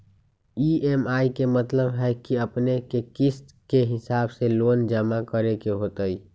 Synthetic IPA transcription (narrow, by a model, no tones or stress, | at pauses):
iːemaːikemət̪ləbɦɛkiəpnekekɪst̪ | keɦɪsaːbseloːnd͡ʒəmakəɾekeɦoːt̪əi